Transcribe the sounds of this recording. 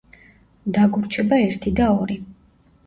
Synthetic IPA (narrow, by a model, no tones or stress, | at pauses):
d̪aɡuɾt͡ʃʰɛbaɛɾt̪ʰid̪aɔɾi